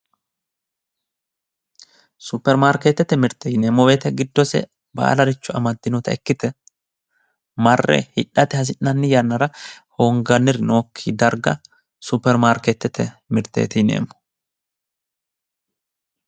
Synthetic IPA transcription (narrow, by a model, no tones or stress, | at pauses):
sʊpːɛɾmaːɾket̪ːɛt̪ːɛmɪɾt̪ːejɪneːmːɔbeːt̪ɛɡɪd̪ːɔsɛ̰ | ba̰ːlɐɾɪt͡ʃːʊɐmɐd̪ːɪnʊt̪ɐɛkːɪt̪ɛ | mɐrːɛ̰hɪᶑːɐt̪ɛhɐs̬ɪnːɐnːɪjɐnːɐɾɐhoːŋɡɐnːɪɾɪno̞ːkʰːid̪ɐɾɡɐ̰ | sʊpːɛɾmaːɾkɛt̪ːɛt̪ʰɛmɪɾt̪ːḛːt̪ɪnḛːmːɔ̥